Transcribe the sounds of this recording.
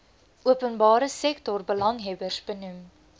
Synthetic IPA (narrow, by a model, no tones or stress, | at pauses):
ʔuəpənbɑːɾəsɛktɔrbəlɐŋɦɛbərsbənum